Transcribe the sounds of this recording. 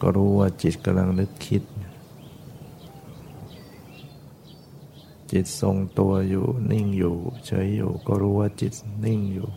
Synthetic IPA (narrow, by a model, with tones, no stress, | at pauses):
kɔ̰˧˩ɾuː˦waː˧˩t͡ɕi˨˩t̪̚ka˧mla˧ŋnɯ˧˦k̚kʰːi˧˥t̪̚ | t͡ɕi˨˩t̪̚so˧ŋt̪u˧ɐjṵː˨˩ni˧˩ŋjuː˨˩t͡ɕʰɤ˧˦jːṵː˨˩kɔ˧˨ɾuː˦waː˧˨t͡ɕi˨˩t̪̚ni˧˨ŋjuː˨˩